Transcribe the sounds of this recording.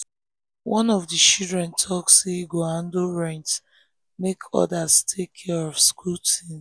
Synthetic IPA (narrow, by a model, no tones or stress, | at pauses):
wɔ̃nɔvdit͡ʃildɹɛ̃ntʰɔkseɡoãndoɹɛ̃nt | mekʰɔ̰dastʰekʰːɛɹɔvskultʰĩn